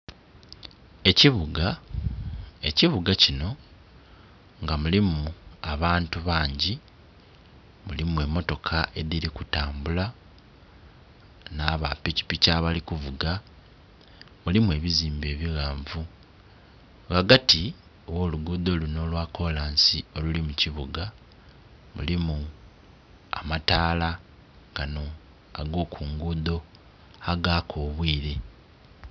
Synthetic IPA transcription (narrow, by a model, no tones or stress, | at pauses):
e̞ciβuɡa | e̞ciβuɡacino̞ | ŋɡamulimuaβaːntuβaːɲɟi | mulimue̞mːo̞to̞kʰae̞ðiɾikutaːmbula | naːβa̰pici̥picaːβalikuvuɡa | mulimwe̞ːβiziːmbe̞ːβiɣaːɱvu | ɡaɡati | owo̞ːluɡuːd̪o̞ːluno̞ːlwaːko̞laːnsio̞lulimuciβuɡa | mṵlimu | a̰mataːla | ɡ̥ano̞ | aɡo̞ːkʰuːŋɡuːd̪o̞ | aɡakʰo̞ːβwiːɾe̞